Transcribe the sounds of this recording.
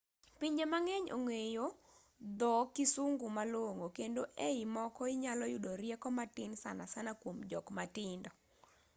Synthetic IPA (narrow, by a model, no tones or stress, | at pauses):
piɲd͡ʒemaŋɛɲo̰ŋejo | d̪ɔkɪsuŋɡʊmaloŋokendoʔeimɔkɔɪɲalɔjʊdoɾjɛkɔmatɪnsa̰nasanakwomd͡ʒɔkmatɪndɔ